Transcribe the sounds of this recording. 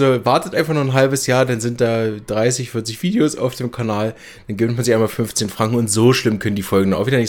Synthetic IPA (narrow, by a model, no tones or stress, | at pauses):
ovaɐtətʔaɪnfaχnuɐχnɦalbəsjaːɐdanzɪnt̚d̥aːd̥ʁaɪsɪçfɪɐt͡sɪçv̥iːdeoːsa̰ʊfd̥eːmkʰanaːl | d̥anɡɪbntmanzɪçʔaɪnmaːlfʏnft͡seːnfʁ̥aŋkŋ̩ʊntz̥oːʃlɪmkʰœnəndiːfɔlɡŋ̩dɔnaʊviːdɐnɪç